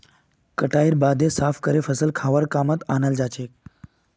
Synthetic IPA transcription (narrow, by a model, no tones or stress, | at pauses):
kəʈaiɾbad̪esafkəɾefʰəsəlkʰaʋəɾkamət̪anald͡zat͡ɕek